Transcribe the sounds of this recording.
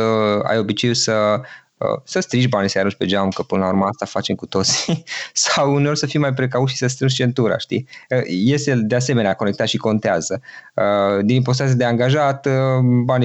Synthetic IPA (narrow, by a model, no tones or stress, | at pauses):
əa̰jo̞bit͡ʃe̞jusə | ə̰səst̪ɾiʃbanisejaɾunt͡ʃpe̞d͡ʒamukəpɨnəlauɾməast̪afat͡ʃe̞mkut̪o̞t̪si̥sawuneo̞rʲsəfimajpɾe̞k̬aut̪ʃisəst̪ɾɨnʒt͡ʃe̞nt̪uɾa̰ʃt̪ḭəje̞st̪e̞d̪ease̞me̞neako̞ne̞k̚t̪at̪ʃiko̞nt̪eazəəd̪inimpo̞s̬t̪at̪ijad̪eaŋɡaʒat̪bani